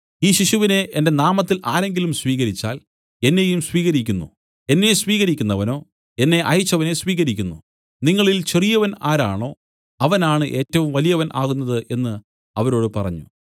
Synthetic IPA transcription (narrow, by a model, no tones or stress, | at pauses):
iːɕiɕuʋine̞ʔende̞naːmɐt̪ːilʔaːɾe̞ŋɡilumsʋiːɣɐɾit͡ɕːa̰ːl | e̞nːe̞jumsʋiːɣɐɾikʲːunːṵ | e̞nːe̞sʋiːɣɐɾikʲːunːɐʋɐno̞ː | e̞nːe̞ʔɐjut͡ɕːɐʋɐne̞sʋiːɣɐɾikʲːunːu | niŋːɐɭilt͡ɕerijɐʋɐna̰ːɾaːɳo̞ː | ɐʋɐnaːɳɨʔe̞ːtːɐʋumʋɐlijɐʋɐnʔa̰ːɣunːɐðɨʔe̞nːɨ | ɐʋɐɾo̞ːɽɨpɐrɐɲːṵ